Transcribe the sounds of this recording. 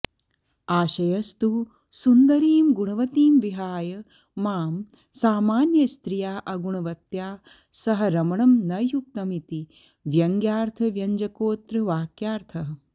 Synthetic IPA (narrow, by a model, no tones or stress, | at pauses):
aːʃɐjɐst̪u | sund̪ɐɾiːmɡuɳ̃ɐʋɐt̪iːmʋiɦaːjɐ | maːm | saːmaːnjɐst̪ɾijaːʔɐɡuɳ̃ɐʋɐt̪jaː | sɐɦɐ̆ɾɐmɐɳɐmnɐjuk̚t̪ɐmit̪i | ʋjɐŋɡjaːɾt̪ʰɐʋjɐɲd͡ʒɐkoːt̪ɾɐʋaːkjaːɾt̪ʰɐɦɐ̆